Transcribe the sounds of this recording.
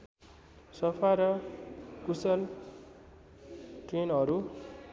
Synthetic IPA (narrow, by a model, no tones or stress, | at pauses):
sʌpʰaɾʌkusʌl | ʈrenʌɾu